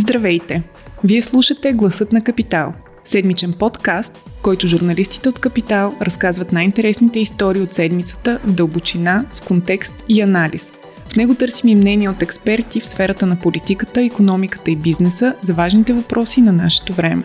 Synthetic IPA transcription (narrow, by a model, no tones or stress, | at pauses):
zd̪ɾɐvɛjt̪ɛ | viɛslˠuʃət̪ɛɡlˠɐsɤt̪nɐkɐpit̪alˠ | sɛd̪mit͡ʃɛnpɔt̪kast̪̚kɔjt̪ʊʒuɾnɐlist̪i̥t̪ɛot̪kɐpit̪alˠɾɐskazvət̪najint̪ɛɾɛsnit̪ɛist̪ɔɾiːot̪sɛd̪mit̪sə̥t̪əvd̪əlˠbot͡ʃinaskont̪ɛkst̪iɐnalḭs | fnɛɡot̪ɤɾsimimnɛniɛot̪ɛkspɛɾt̪ifsfɛɾət̪ənɐpolit̪ikət̪əikonɔmikə̥t̪əibiznɛsəzɐvaʒnit̪ɛvɐpɾʔɔsinɐnaʃɛ̥t̪ovɾɛmɛ